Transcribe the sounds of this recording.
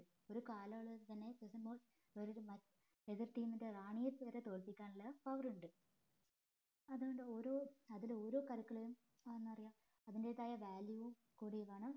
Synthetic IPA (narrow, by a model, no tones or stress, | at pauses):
o̞ɾukaːlɐɐɭðɨt̪ɐnːe̞pesɐmboː | oɾuɾumɐ | eðirʈiːminderaːɳijɐpeːɾet̪o̞ːɭpikʲːaːɳilːɐpɐʋruɳɖɨ | ɐðuɣoɳɖɨo̞ːɾoːɐðilo̞ːɾo̞ːkɐɾɐkːɐɭejum | enːɨɐrijaːm | ɐðinde̞ðaːjɐʋaːljuʋu | kuːɽijʋaːɳɨ